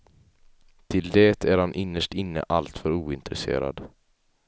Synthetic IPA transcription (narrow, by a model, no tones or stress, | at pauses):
t̪ʰɪld̪ɛːt̪ʰæɾhanʔɪnːəʂʈɪnːə̰ʔalt̪fœɾuːɪnt̪ɾɛsḛːɾa̰d̪